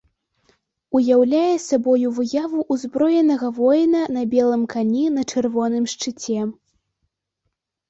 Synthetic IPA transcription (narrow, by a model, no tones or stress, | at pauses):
ujawlʲajɛsabɔjuvɨjavuʔːzbɾɔjɛnɐɣɐvɔjnɐnɐbʲɛlˠɨmkanʲinɐt͡ʂɛrvɔnɨmʂt͡ʂɨt͡sʲɛ